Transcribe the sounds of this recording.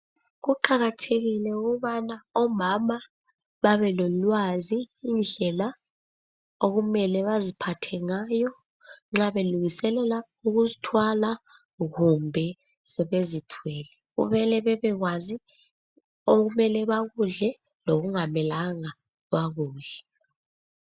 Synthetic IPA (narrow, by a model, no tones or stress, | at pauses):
ɣuǃaɣatʰeɣilɛuɣuuβanaɔmama | ɓaβɛlɔlwaziːnd͡ɮʱɛla | oɣumɛlɛβazipʰatʰɛŋajɔ | ŋ͡ǁaɓeluŋisɛlɛla | uɣuzitʰwala | ɣumbʱɛ | sɛɓezitʰwɛːlɛɣṵɓɛlɛɓɛβɛɣ̬wazi | oɣumɛlɛɓaɣuɮɛ | loɣ̬uŋamɛlaŋa | ɣ̬waɣuːɮɛ